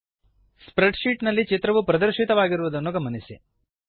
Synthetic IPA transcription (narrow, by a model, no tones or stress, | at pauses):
spɾeɖʃiːʈnɐlːit͡ʃit̪ɾɐʋupɾɐd̪ɐɾʃit̪ɐʋaːɡiɾuʋud̪ɐnːuɡɐmːɐnisḭ